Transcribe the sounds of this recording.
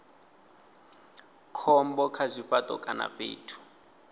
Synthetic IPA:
kʰɔmbɔkʰazʷiɸatʼɔ̰kʼana̰ɸḛːtʰu̥

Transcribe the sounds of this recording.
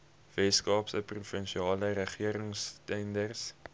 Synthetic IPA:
vɛskɑːpsəprufənʃiɑːləɾəχiəɾəŋstɛndərs

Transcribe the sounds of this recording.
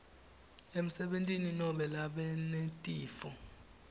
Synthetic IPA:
em̩sɛɓentʼininɔɓɛlaɓɛnetʼiːfɔ

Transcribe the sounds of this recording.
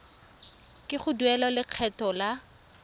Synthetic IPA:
kʼɪχʊduɛlɔlɪq͡χʰɛtɔla

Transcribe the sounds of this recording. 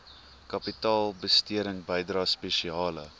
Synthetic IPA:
kɐpitɑːlˠbəstiəɾəŋbəjdrɑːspeʃiɑːlə̰

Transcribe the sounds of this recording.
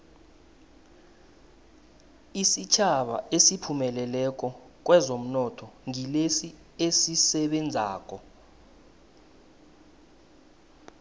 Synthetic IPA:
isit͡ʃʰaɓa̰esipʰumɛlɛlɛk̬ʼɔ | k̬ʼwɛzom̩nɔtʰɔŋilesi | esisɛɓɛnd͡zʱaːk̬ʼɔ

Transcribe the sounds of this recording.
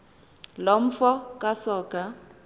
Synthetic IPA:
lom̩fɔkʼasɔːkʼa

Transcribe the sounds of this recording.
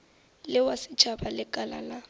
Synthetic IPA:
lɪwasɪt͡ʃʰʼabalɪkʼala̰la

